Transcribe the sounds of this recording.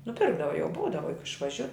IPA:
nʊˈpʲɪrɡdɐʋɐ jɛʊ ˈbuːdɐʋɐ jʊk ɪʃʋɐˈʒʲʊ

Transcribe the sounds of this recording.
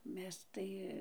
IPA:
ˈmʲɛs tɐɪ

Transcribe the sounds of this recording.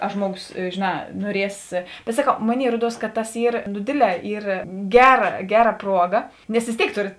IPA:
ɐ ˈʒmuɔˌɡoːs ʒʲeːˈnɑː nuɔˈrʲiɛs bʲɛt sɐˈkɐʊ ˈmoːˌnʲeːɪ ˈruɔˌduɔs kɐ tɐs ˈiːr nʊ ˈdʲeːdʲˌlʲɛ ˈiːr ˈɡʲæːˌrɐ ˈɡʲæːˌrɐ ˈpruɔˌɡɐ nʲɛs ʋʲeːs ˈtʲeːɪk ˈtoːrʲeːt

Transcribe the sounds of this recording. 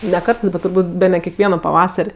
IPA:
nʲɛ ˈkɐrtɜs bʲɛt tʊrˈbuːtʲ ˈbʲæːnʲɛ kʲɛkˈʋʲiɛnoː pɐˈʋɑːsɐrʲ

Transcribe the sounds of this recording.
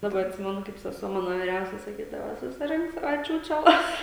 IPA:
dɐˈbɐ ɐtʲˈsʲɪmʲɛnʊ kɐɪp sʲɛˈsuɔ ˈmɑːnoː ʋʲɪˈrʲɛʊsʲɛ sɐˈkʲiːdɐʋɐ sʊsʲɪˈrʲɪŋk ˈsɑːʋɐ ˈt͡ʃʲuːt͡ʃʲɛˌlˠɐs

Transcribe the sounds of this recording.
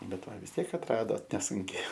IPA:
ˈbʲɛt ˈʋɐ ʋʲɪs ˈtʲiɛk ɐtˈrɑːdoːt nʲɛˈsʊŋʲkʲɛɪ

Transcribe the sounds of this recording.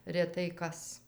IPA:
rʲɛˈtɐɪ ˈkɐs

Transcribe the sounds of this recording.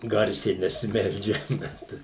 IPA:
ˈɡɐrʲsʲɛɪ nʲɛsʲɪˈmʲɛlʲd͡ʒʲɛm ˈbʲɛt

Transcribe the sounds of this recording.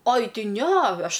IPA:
oːj ˈtʲɪ ˈnʲɛ ˈɐʃ

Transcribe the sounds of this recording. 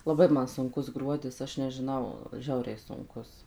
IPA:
lˠɐˈbɐɪ ˈmɐn sʊŋˈkʊs ˈɡruɔdʲɪs ˈɐʃ nʲɛʒʲɪˈnɐʊ ˈʒʲɛʊrʲɛɪ sʊŋˈkʊs

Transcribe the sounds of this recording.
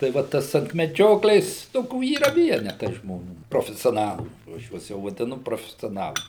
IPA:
tɐɪ ˈʋɐ ˈtɐs ɐnt mʲɛˈd͡ʒʲoːklʲeːs ˈtoːkʲuː iːˈrɐ ˈʋʲiɛnʲɛtɐɪ ʒmoːˈnʲuː proːfʲɛsʲoːˈnɑːlˠuː jɛʊ ˈɐʃ ˈjuɔs jɛʊ ʋɐdʲɪˈnʊ proːfʲɛsʲoːˈnɑːlˠɐɪ

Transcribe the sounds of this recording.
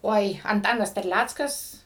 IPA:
ˈoːɪ ɐnˈtɑːnɐs tʲɛrʲˈlʲæt͡skɐs

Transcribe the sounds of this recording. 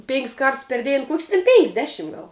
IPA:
pʲeːŋʲkʲsʲ ˈkɐrts pʲɛr ˈdʲeːn ˈkuɔkʲsʲ tʲɛn ˈpʲɛŋʲkʲsʲ ˈdʲæːˌʃʲɪm ˈɡɐlˠ

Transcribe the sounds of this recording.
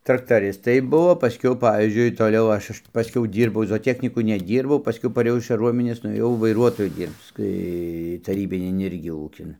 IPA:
trɐktɐˈrʲɪstɐɪ ˈbuɔ pɐˈsʲkʲɛʊ ˈpɑːʋʲiːzʲd͡ʒʲʊɪ ˈtoːlʲɛʊ ˈɐʃ ˈɐʃ tʲɪ pɐˈsʲkʲɛʊ ˈdʲiːrbɐʊ zoːoːˈtʲæːxʲnʲiːkʊ nʲɛˈdʲiːrbɐʊ pɐˈsʲkʲɛʊ pɐˈrʲeːjɛʊ ɪʃ kɐˈruɔmʲɪnʲeːs nʊeːˈjɛʊ ʋɐɪˈruɔtoːjɛ ˈdʲiːrpt͡s ˈtɐɪ tɐˈrʲiːbʲɪnʲɪn ˈɪrʲɡʲɪ ˈuːkʲɪn

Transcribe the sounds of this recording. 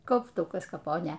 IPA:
kɐʊpˈtʊkɐs kɐˈpoːnʲeː

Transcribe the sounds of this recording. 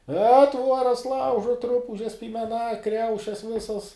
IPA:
ɛ ˈtʋuɔrɐs ˈlˠɐʊʒuɔt ˈrʊpʊʒʲɛs pʲiːmʲɛˈnɐ ˈkrʲɛʊʃʲɛs ˈʋʲɪsɐs

